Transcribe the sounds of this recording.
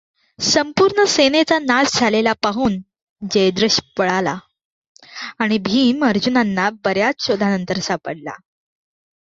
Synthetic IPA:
səmpuɾɳəsenet͡sanasd͡zʱalelapaɦuːn | d͡ʑəjd̪ɾəɕpəɭala | aɽ̃ibʱiːməɾd͡ʑunanːabəɾjat͡sɕod̪ʱanənt̪əɾsapəɽla̰

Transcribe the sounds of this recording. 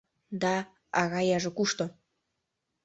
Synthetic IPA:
d̪ɑː | ɣɑjɑʒĕkuʃt̪o

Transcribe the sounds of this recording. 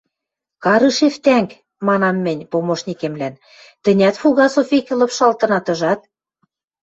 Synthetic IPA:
kɑɾɤʃeft̪æŋk | mɑnɑmːɘ̆nʲpomoʃnʲikemlæn | t̪ɘ̆nʲæt̪fuɣɑsofekĕlɤ̆pʃɑlt̪ɤ̆nɑt̪ɤ̆ʒɑt̪̚

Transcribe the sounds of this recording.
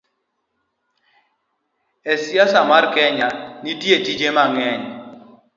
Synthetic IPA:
esjasamarkɛɲanitjetid͡ʒemaŋɛɲ

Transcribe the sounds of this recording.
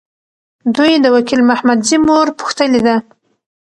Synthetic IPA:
d̪ujd̪əwakilmahmad̪zimoɾpʊ̥xt̪əled̪a

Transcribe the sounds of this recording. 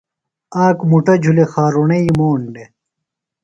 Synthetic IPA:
aːkmuʈɐd͡ʑʱulexaːɾoɳɐimoːɳɖe

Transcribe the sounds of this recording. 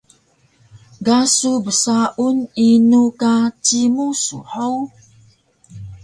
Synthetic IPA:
ɡasubəsaʔuninukat͡ɕimusṵħow

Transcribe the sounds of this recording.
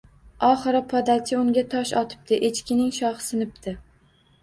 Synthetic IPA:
ɒχɨɾɪpʰɒd̪akʲʰɪʊŋɡʲat̪ʰɒʃɒt̪ʰɪ̥p̚t̪ʰɪʔet͡ʃkʲɪnɪŋʃɒhɨ̥sɪnɪp̚t̪ʰɪ

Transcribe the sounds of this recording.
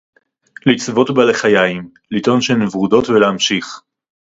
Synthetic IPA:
lit͡svo̞tbaleχajajim | lito̞nʃenevʁudo̞tveleamʃiχ

